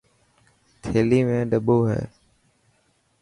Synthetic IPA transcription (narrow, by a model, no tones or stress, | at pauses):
t̪ʰeːliːmẽːɖəɓoːɦɛ̰ː